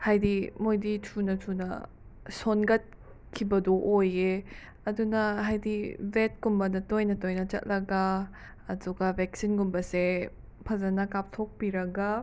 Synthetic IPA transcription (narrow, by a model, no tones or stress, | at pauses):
hajdimojditʰunɐtʰunɐ̰ | sonɡɐt̚ | kʰibɐdɔʔoje | ɐdunɐɦajdibet̚kumbɐnɐtojnɐtojnɐt͡ʃɐ̰t̚lʔɐɡaː | duɡabɛk̚sinɡumbɐse | pʰazanakap̚tʰok̚biɾɐɡa